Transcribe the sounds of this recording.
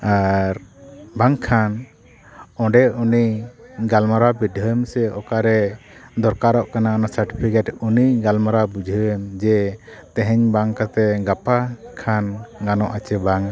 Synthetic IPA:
aɾbaŋkʰan | ɔ̃ɖɛuniɡalmɔɾabidʱəɛmsɛɔkaɾɛd̪ɔɾkaɾɔʔkanaɔnasaɾʈipʰikɛʈuniɡalmɔɾabud͡ʒʱəɛmd͡ʒɛt̪ɛ̃ɦɛɲbaŋkat̪ɛɡapakʰanɡanɔʔat͡ʃɛbaŋ

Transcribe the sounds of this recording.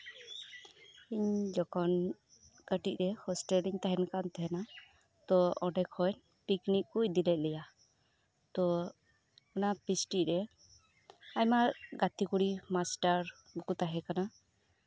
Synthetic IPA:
iɲd͡ʒɔkʰɔn | kəʈic̚ˀɾɛhɔsʈɛliɲt̪aɦɛnkant̪ɛɦɛna | t̪ɔɔɖɛkʰɔn | piknikkuc̚d̪ilɛt̪̚lɛja | t̪ɔ | ɔnapisʈiʔɾɛ | ajmaɡat̪ikuɽimasʈaɾ | bukut̪aɦɛkana

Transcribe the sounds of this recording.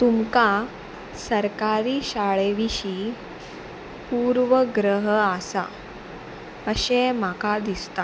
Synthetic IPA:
t̪umka | səɾkaɾiːɕaɭeʋiɕi | puɾʋəɡɾəɦasa̰ | əɕem̤akad̪ist̪a

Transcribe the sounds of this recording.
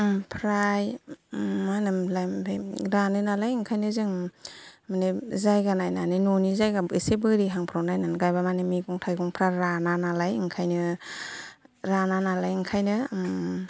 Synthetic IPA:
pʰɾaj | anɯmlajmbʰeɾanɯnalajɯŋkʰajnɯzɯŋ | manezajɡanajnanɯnonizajɡabɯsebɯɾiɦaŋpʰɾawnajnanɡajbamanemiɡɔŋtʰajɡɔŋpʰɾajɾananalajŋkʰajnɯ | ɾananalajɯŋkʰajnɯ

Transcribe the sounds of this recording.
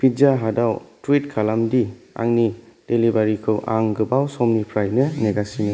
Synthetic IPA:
pʰizaɦadawtwitkʰalamdi | a̰ŋnid̥elibaɾikʰɯwʔa̰ŋɡɯbawsɔmnipʰɾajnɯneɡasinɐ

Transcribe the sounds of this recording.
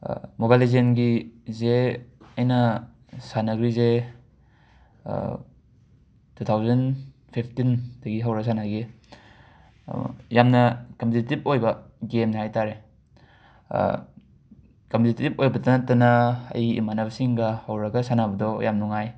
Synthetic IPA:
mobalizenɡizeɐjnɐ | sanɐɡɾize | tʰutʰawzɐn | pʰip̚ʰtind̥ɐɡiɦawɾɐɡsanaɡi | jamnɐkɐmpʰtitip̚ojbɐ | ɡemnhajtaɾe | kɐmptitip̚ojbɐtanatɐnɐɐ̰jḭmanabɐsiŋɡɐhawɾɐɡɐsanabɐdɔjamnuŋaj

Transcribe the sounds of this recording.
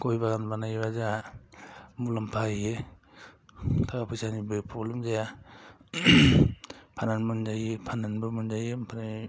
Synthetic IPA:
kojbaɡanbanajβaza | mulampʰaje | tʰakapʰɯjsanibɯpʰolɯmzaja | pʰananmɯnzajepʰananbɯmɯnzajempʰana

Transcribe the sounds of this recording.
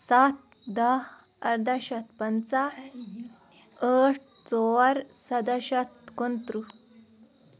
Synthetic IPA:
sat̪̚ | d̪aɦ | ə̰ɾd̪aɕat̪pənt͡sa | əʈ̚ʰ | t͡sɔəɾsɐd̪aɕat̪kont̪ɾu

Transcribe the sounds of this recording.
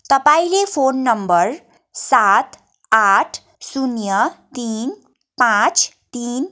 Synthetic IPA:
t̪ʌpaĩlepʰonːʌmbʌɾ | sat̪ | aʈʰ | sunjət̪in | pãt͡s | t̪in

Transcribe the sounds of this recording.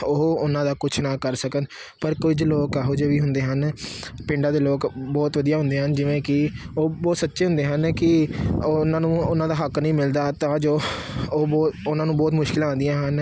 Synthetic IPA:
oʊnãːd̪aːkʊt͡ʃʰnãːkəɾsəkən | pəɾkʊd͡ʒloːkɛɦoːd͡ʒeːʋiːɦʊnd̪eːɦənpɪ̃ɳɖaːd̪eːloːkbɔːt̪ʋəd̪ijaːɦʊ̃nd̪eːɦənd͡ʒɪʋẽːkɪoːbɔːt̪sətːʃeːɦʊ̃nd̪eːɦənkɪoːnãːnũːʊnãːd̪aːɦəknəĩːmɪld̪aːt̪ãːd͡ʒoːoːbɔːt̪ʊnãːnũːbɔːt̪mʊʃkɪlãːnd̪ijãːɦən

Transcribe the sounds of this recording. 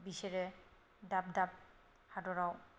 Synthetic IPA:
bisɛɹɛ | dab̚dab̚ | hadɔɹaw

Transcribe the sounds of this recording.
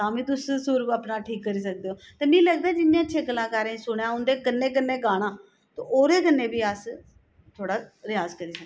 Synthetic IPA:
t̪ãːmĩːt̪ʊssʊːɾəpnaːʈʰiːkːəɾiːs̬ək̚d̪eːoːt̪eːmĩːləɡ̚d̪aːd͡ʒɪnːijãːt͡ʃʰeːkəlãːkaɾẽsʊɳjãːɦʊ̃nd̪eːkənːẽːk̬ənːeːɡaːɽ̃ãː | t̪õ̰ːʔoːɾeːkənːẽːbiːəs | t̪ʰoːɽaːɾɪjaːzkəɾiːsəkd̪

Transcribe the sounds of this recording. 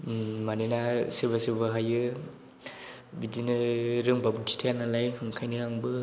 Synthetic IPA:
manɯnasɯbasɯbɯɦajɯ | bidinɯɾɯŋbabɯkʰi̥tʰajanalajhɯŋkʰajnɯaŋbɯ

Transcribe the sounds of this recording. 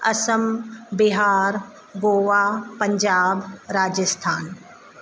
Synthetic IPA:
ɐsəmbiɦaːɾ | ɡoːʋaːpɐ̃ɲd͡ʒaːbɾaːd͡ʒəst̪ʰaːn

